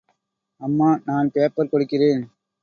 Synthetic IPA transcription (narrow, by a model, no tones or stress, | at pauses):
ɐmːaːnaːnpeːpːɐɾkɔɽɯkːɪreːn